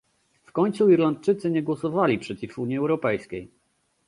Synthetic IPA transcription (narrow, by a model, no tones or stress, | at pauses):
fkɔɲt̪suiɾlant̪̚t͡ʂɘt̪sɘɲɛɡwɔsɔvalʲipʂɛt͡ɕifuɲiɛwɾɔpɛjskʲej